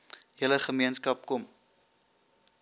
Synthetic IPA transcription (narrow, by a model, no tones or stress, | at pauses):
jələχəmiənskɐp̚kɔm